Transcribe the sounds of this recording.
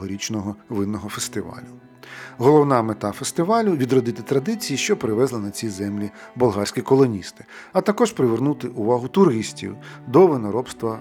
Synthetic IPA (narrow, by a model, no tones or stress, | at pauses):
ɔɾʲit͡ʃnɔɦɔʋɪnːɔɦɔfest̪ɪʋɑ̰lʲʊ | ɦɔlˠɔwnɑmet̪ɑfest̪ɪʋɑlʲʊʋʲid̪rɔd̪ɪt̪ɪt̪ɾɐd̪ɪt͡sʲijiʃt͡ʃɔpɾɪʋɛzlˠɪnɐt͡sʲijzɛmlʲibʊlˠɦɑɾʲsʲkʲikɔlˠɔnʲist̪ɪ̥ɐt̪ɐkɔʃpɾɪʋernut̪ɪʔʊʋɑɦʊt̪ʊɾɪsʲtʲḭwd̪ɔʋɪnɔɾɔpst̪ʋɐ